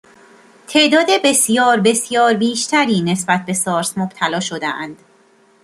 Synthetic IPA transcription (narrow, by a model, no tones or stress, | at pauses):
t̪ʰe̞ʔd̪ɒːd̪e̞be̞sjɒːɾbe̞sjɒːɾbiːʃt̪ʰæɾiːne̞sbæt̪̚ʰbe̞sɒːɾsmob̥t̪ʰælɒːʃo̞d̪eʔænd̪̥